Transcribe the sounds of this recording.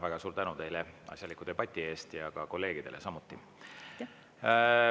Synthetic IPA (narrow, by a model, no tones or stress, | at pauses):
væɡ̥ɑsuːɾt̪ænut̪e̞jlɛɑ̰sʲjɑlikːˑud̪̥e̞b̥ɑt̪ʲːˑie̞ːst̪jɑkɑko̞lːe̞ːɡ̥id̪elesɑmut̪ːˑi